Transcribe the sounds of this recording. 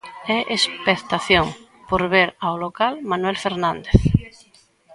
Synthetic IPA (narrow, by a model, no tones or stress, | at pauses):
ɛʔespekt̪aθjoŋ | poɾβeɾawlokalmanwɛlfeɾnãnd̪eθ